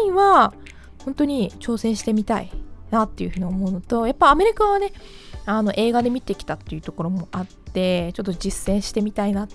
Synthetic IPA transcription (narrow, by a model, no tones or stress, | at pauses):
ĩβa | hõnt̪o̞ɲ̟it͡ɕo̞ːsẽ̞ɰ̃ɕi̥t̪e̞mʲit̪aḭnat̪ːe̞jiɯ̟ɸɯ̟ːɲ̟iomo̞ɯ̟not̪o̞japːaame̞ɾʲikaβane̞ | ano̞ʔe̞ːɡad̪e̞mʲit̪e̞kʲi̥t̪at̪ːe̞jiɯ̟t̪o̞ko̞ɾo̞mo̞ʔat̪ːe̞t͡ɕo̞t̪ːo̞d͡ʑisːẽ̞ɰ̃ɕi̥t̪e̞mʲit̪aina